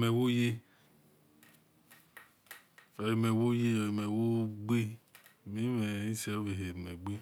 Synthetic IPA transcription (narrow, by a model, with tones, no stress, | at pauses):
mɛ˨wo˦je˦ | ɔ˨i˨mɛ˨wo˦je˦o˨i˨me˨wo˦ɡ͡be˦˨mi˦mɛ˨i˦se˨˦o˦ve˨ɦe˨ɾme˨ɡ͡be˦